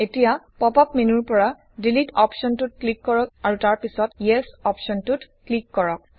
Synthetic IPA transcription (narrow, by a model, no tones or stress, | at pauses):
etijapɔpapmenuɹpɔɹa | dilitɔpsɔntut̚klikːɔɹɔk̚aɹutaɹpisɔtjɛsɔpsɔntut | klikːɔɹɔk̚